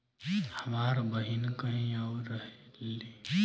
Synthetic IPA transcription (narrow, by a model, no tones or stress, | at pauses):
həmaːɾbəɦinkəɦĩawɾəɦele